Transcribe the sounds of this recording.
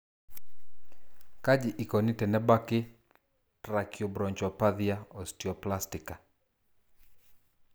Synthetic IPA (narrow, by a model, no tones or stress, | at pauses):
kad͡ʒɪʔikɔnitɛnɛbakɪ | tɾakijɔbɾɔɲt͡ʃɔpaðiaɔstiɔplastɪka